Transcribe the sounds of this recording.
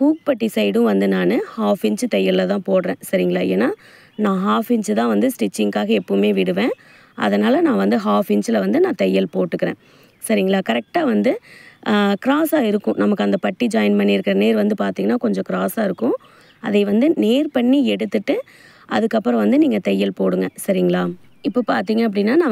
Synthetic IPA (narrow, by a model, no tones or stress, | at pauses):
fuːk̚pɐʈːisɐɪɽʊ̃ʋɐnd̪ɯnaːnɯhaːfɪɲt͡ʃɯt̪ɛjːɐllɐt̪ãːpoːɽɾẽːsɐɾɪŋɡɐɭaːḛːnːaː | nãːɦaːfɪɲd͡ʒɯt̪ãːʋɐnd̪ɯsʈɪt͡ʃːɪŋkaːɣɐɛpːɐɯmeːʋɪɽɯʋẽː | ʔɐ̰ðɐnaːlɐnãːʋɐnd̪ɯɦaːfɪɲt͡ʃɯlɐʋɐnd̪ɯnãːt̪ɛjːɐlpoːʈːɯkːɪɾḛ̃ː | sɐɾɪŋɡɐɭaːkɐɾɛk̚ʈaːʋɐnd̪ɯ | kɪɾaːsaːɪɾɯkːʊ̃nɐmɐkːɯɐnd̪ɐpɐʈːid͡ʒɐːɪnpɐɳːiɪɾɯkːɐɾɐneːɾʋɐnd̪ɯpaːɾt̪iːŋɡɐnːaːkɔɲd͡ʒɔ̃kɪɾaːsaːɪɾɯkːʊ̃ | ɐðɐɪʋɐnd̪ɯneːɾpɐɳːiɛɽɯt̪ːɯʈːɯ | ʔɐðɯkːɐpːɯɾɔ̃ʋɐnd̪ɯniːŋɡɐt̪ɛjːɐlpoːɽɯŋɡɐsɐɾɪŋɡɐɭaː | ɪpːɐpa̰ːɾt̪iːŋɡɐɐp̬ːɐɽɪnːaːnãː